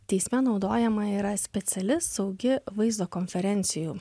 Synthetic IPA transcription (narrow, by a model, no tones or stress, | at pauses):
t̪ʲɛɪsʲmʲɛnɒʊd̪oːjɛmɐiːɾɐsʲpʲɛt̪sʲɛlʲɪssɒʊɡʲɪʋɐɪzoːkɔnʲfʲɛɾʲɛnʲt̪sʲɪjuː